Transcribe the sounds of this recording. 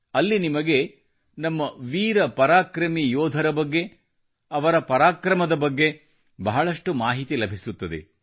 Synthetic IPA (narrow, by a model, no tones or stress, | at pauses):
ɐlːinimɐɡe̞ | nɐmːɐʋiːɾɐpɐɾaːkɾɐmijɔːd̪ʱɐɾɐbɐɡːe̞ | ɐʋɐɾɐpɐɾaːkɾɐmɐd̪ɐbɐɡːe̞ | bɐɦɐɭɐʂʈumaːɦit̪ilɐbʱisut̪ːɐd̪e̞̰